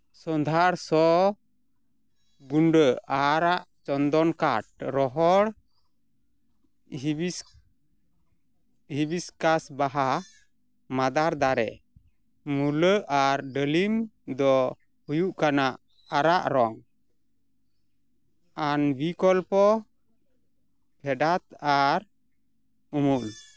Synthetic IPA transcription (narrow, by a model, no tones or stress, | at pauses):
sɔnd̪ʱaɾsɔ | ɡuɳɖəaɾaʔt͡ʃɔnd̪ɔnka̰ʈ̚ɾɔɦɔɽ | hibiskasbaɦa | mad̪aɾd̪aɾɛ̰ | muləʔaɾɖəlimd̪ɔ | hujuʔkanaʔ | aɾaʔɾɔŋ | anbikɔlpɔ | pʰɛɖat̪aɾ | umul